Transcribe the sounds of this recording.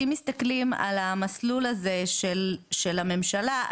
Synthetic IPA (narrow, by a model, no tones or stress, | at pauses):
imist̪aklima̰lamaslulaze̞ʃelʃelame̞mʃala